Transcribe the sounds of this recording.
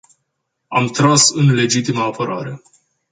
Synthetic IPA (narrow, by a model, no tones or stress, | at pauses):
amt̪ɾasɨnle̞d͡ʒit̪imaːpəɾaɾe̞